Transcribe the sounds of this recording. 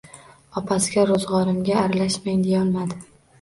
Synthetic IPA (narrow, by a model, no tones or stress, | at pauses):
ɒpʰasɪɡʲaɾozʁɒɾɪmɡʲaːɾalaʃmaŋd̪ejɒlˠmad̪ɪ